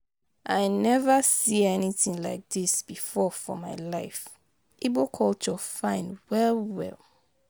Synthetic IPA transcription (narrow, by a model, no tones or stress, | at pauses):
ʔaɪnɛvəsiɛniθĩŋlaɪk̚ð̥isb̥ifɔfɔ̰maɪlaɪf | ʔibokʰɔlt͡ʃɔfãɪ̃nwɛlwɛ̰lˠ